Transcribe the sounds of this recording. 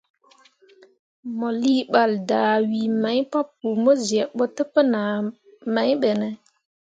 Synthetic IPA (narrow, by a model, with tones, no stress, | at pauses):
mɔ˨liː˦ɓa˨ldaː˨wi˨ma˨˦jpa˦pːu˨mɔ˦zi˨ɛ˨ɓːɔ˦tə˦pːə˦na˨ | ma˦jɓɛ˨nɛ˨